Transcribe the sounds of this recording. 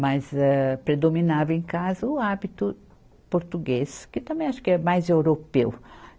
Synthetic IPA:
mɐzɛpɾed̪ominavɐẽkazɐʊabit̪ʊ | poɾt̪uɡeskɪt̪ɐ̃mbẽj̃aʃʊ̥kɪɛmajzewɾopew

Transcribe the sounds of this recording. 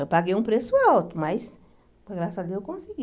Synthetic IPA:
paɡejũpɾesʊawt̪ʊmɐjs | poɡɾasɐad̪ewkõsiɡi

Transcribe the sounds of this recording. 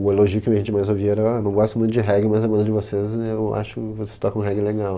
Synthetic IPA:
ʊeloʒiʊkɪɐʒẽnt͡ʃɪmajzoviɛɾɐnɐ̃w̃ɡɔst̪ʊmũt̪ʊd͡ʒɪɦɛɡɾɪmazɐmɐ̃nd̪ɐd͡ʒɪvosezewa̰ʃʊkɪvose̥st̪ɔkɐ̃ɦɛɡɾɪleɡaw

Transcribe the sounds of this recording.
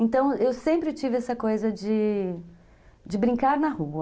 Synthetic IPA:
ẽnt̪ɐ̃w̃ewsẽmpɾɪt͡ʃivɪɛsɐkojzɐd͡ʒɪ | d͡ʒɪbɾĩkaɾnɐhuɐ

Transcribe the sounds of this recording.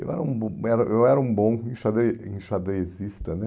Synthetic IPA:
ḛwɛ̰ɾɐũbõɛɾɐʔewɛɾɐũbõĩʃad̪eĩʃad̪eezist̪ɐnɛ

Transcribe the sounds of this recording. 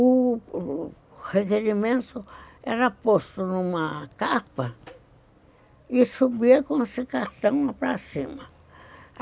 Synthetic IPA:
u | hekeɾimẽnsoeɾapost̪onũmãkapa | iʂuβiekonsikat̪ãmãpɾasimã

